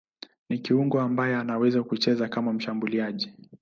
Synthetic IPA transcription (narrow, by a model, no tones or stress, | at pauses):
nikiuŋɡɔambajɛanawɛzakut͡ʃɛzakamam̩ʃambuliaʄi